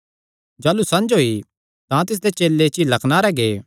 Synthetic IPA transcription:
d͡ʒaːlusɐ̃nd͡ʒɦoːi | t̪ãt̪ɪs̬d̪et͡ʃeːlːet͡ʃilɐkʰnaːɾɛɡeː

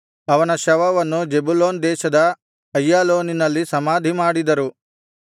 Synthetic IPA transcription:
ɐʋɐnɐʃɐʋɐʋɐnːud͡ʒebuloːnd̪ɛːʃɐd̪ɐ | ɐjːaːloːninɐlːisɐmaːd̪ʱimaːɽid̪ɐɾu

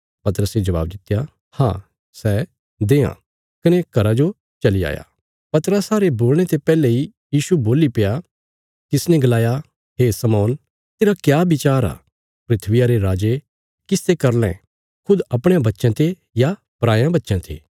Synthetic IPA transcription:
pɐt̪əɾəsed͡ʒɐʋa̰ːbd̪ɪt̪ːja | hã̰ | sɛ | d̪eːã̰ | kɐnekɐɾad͡ʒo | t͡ʃɐlia̰ːja̰ | pɐt̪ɾəsaːɾeboːl̃et̪epɛːlei | jiːʃuboːlipɪja | kɪsnɛ̃ɡɐlaːja | ɦeːsɐmɔːn | t̪eːɾakjaːbɪt͡ʃaːɾa̰ː | pɾɪt̪ʰʋɪjaɾeɾaːd͡ʒe | kɪst̪ekɐɾl̃ɛ̰̃ | kʰʊd̪ɐpɽ̃ãbɐtːʃãt̪ʰe | ja | pɾaːjãbɐtːʃãt̪ʰḭː

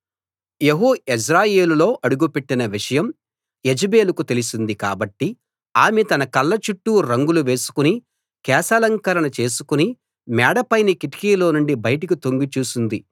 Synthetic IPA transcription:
jeɦuis̬ɾaːje̞ːlulo̞ːʔɐɽuɡupe̞ʈːinɐʋiʂɐjɐm | jed͡ʒibeːlukut̪elisind̪ika̰ːbɐʈːi | aːmet̪ɐnɐkɐlːɐt͡ʃuʈːuɾɐŋɡuluʋe̞ːsu̥kuni | kɛːsɐlɐŋkɐɾɐɳɐt͡ʃe̞ːsu̥kuni | mɛːɽɐpɐjnikiʈi̥kiːlo̞ːnuɳɖibɐjɐʈɐkit̪o̞ŋɡit͡ʃuːsund̪i

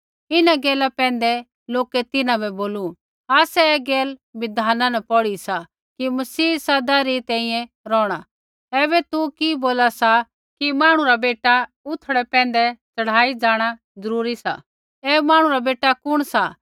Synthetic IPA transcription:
ɪnaɡɛːlapɛ̃ːn̆d̪ɛ | loːkɛt̪ɪnãbɛboːlu | aːsɛɛːɡɛːlbɪd̪aːnãnɛpɔɽisa | kimɐsiːsɐd̪aɾit̪ɛ̃ːĩjɛ̃ | ɾɔːɽ̃a | ɛːβɛt̪ukiboːlasa | kimaːɽ̃ũɾabeːʈa | ʊt̪ʰɽɛpɛ̃ːn̆d̪ɛt͡sɐɽ̤aːid͡zaːɽ̃a | d͡zɐɾuːɾisa̰ | ɛːmaːɽ̃ũɾabeːʈːakʊɽ̃sa

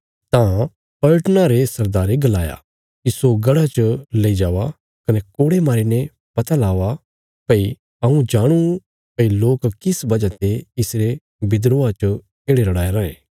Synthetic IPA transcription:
t̪ã | pɐʈnaɾesɐɾd̪aːɾeɡɐlaːja̰ | kisoɡɐɽat͡ʃleːid͡ʒaːʋa | kɐnɛkoːɽemaːɾinɛ | pɐt̪alaːʋa | pɐi | ɐũd͡ʒaːɽ̃u | pɐiloːkkɪsbɐd͡ʒat̪eɪsɾe | bɪd̪ɾoːat͡ʃə | eːɽelɐɽaːeɾãːḛ̃ː

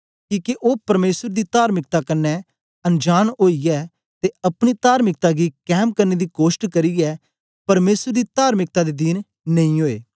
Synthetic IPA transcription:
kiːkeʔoːpɐɾmeːsəɾd̪it̪aːɾmɪk̚t̪akɐnːɛ | ɐ̃nd͡ʒaːñoːijɛ | t̪eɐpɽ̃it̪aːɾmɪk̚t̪aɡikɛːmkɐɾned̪ikoːʃʈkɐɾiɛ | pɐɾmeːsəɾd̪it̪aːɾmɪk̚t̪ad̪ed̪iːn | nɐ̃ĩɦoːḛː

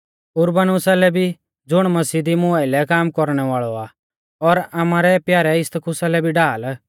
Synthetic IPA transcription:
ʊɾbənʊsalɛbʱi | d͡zʊɽ̃mɐsiːd̪imʊaːilɛkaːmkɔɾɽ̃ɛʋaːɭɔa | ɔɾamaːɾɛpjaːɾɛɪst̪kʊsalɛbʱiɖaːl

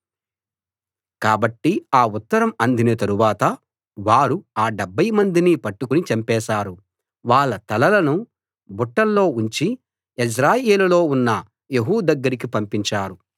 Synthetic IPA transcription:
kaːbɐʈːiaːut̪ːɐɾɐmɐnd̪inɐt̪ɐɾuʋaːt̪ɐ | ʋaːɾuaːɖɛbːɐjmɐnd̪inipɐʈːukunit͡ʃɐmpɛːʃaːɾu | ʋaːɭːɐt̪ɐlɐlɐnu | buʈːɐlːo̞ːuɲt͡ʃi | is̬ɾaːjeːlulo̞ːunːɐ | jeɦuːd̪ɐɡːɐɾik̬ipɐmpiɲt͡ʃaːɾu

